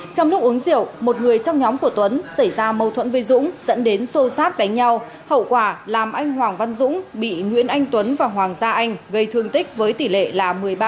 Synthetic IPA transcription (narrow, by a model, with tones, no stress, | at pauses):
t͡ɕɔ˧wŋ͡mnu˦˥kʔu˨˦əŋzi˧˩ə˨wmo˨˩t̚ŋɨ˨˩əjt͡ɕɔ˧wŋ͡mɲɔ˨˦mku˧˩ət̪wə˨˦nsa˧˩jzaː˧mə˨˩wt̪ʰwə˧˥nvə˨˧˦jzʊ̰˧˥ŋ͡mz̥ə̰˧˥nɗe˨˦nso˧saː˦˥t̚ɗ̪a˨˦ŋ̟ɲa˧w | hə̰˧˨wkwaː˧˩laː˨˩mʔa˧jŋ̟hwaː˨˩ŋva˧nzʊ̰˧˥ŋ͡mɓḭ˧˨ŋwḭ˧˥ənʔa˧jŋ̟t̪wə˨˦nvaː˨˩ɦwaː˨˩ŋzaː˧ʔa˧jŋ̟ɣə˧jt̪ʰɨ˧əŋt̪ï˦˥k̟̚vəː˨˦jt̪i˧˨˩lḛ˧˨laː˨˩mɨ˨˩əjɓaː˧